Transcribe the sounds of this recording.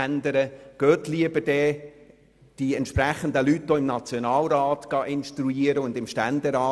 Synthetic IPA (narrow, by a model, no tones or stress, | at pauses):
ænd̪əɾəɡ̥øːt̪liəbəɾd̥ɛ | d̥iɛnt̪ʃpɾæχən̩d̪əlyt̚d̥oːɪmnɑt͡sjonɑːlɾɑːtɡ̥ɑʔɪnʃtɾuiːəɾəʊnd̪ɪmʃtændɛɾɑː